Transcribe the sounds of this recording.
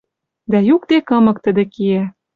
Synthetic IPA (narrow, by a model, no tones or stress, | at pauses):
d̪æjuk̚t̪ekɤ̆mɤ̆k̚t̪ə̆d̪ĕkiæ